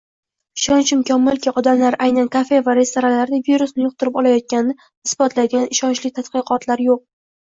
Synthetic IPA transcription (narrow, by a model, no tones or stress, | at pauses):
ɪʃɒnt͡ʃɪmkʲɒmːʊlkʲɪɒd̪amlaɾʔajnankʰafe̞vaɾe̞st̪oɾalaɾd̪ɪviɾusnɪjʊq̚t̪ʊɾɪpɒlˠajɒt̪̚kʲannɪ | ɪsbɒt̪laɡʲanɪʃɒnt͡ʃlɪt̪ʰat̪qɨqɒt̪ʰlaɾjoq̚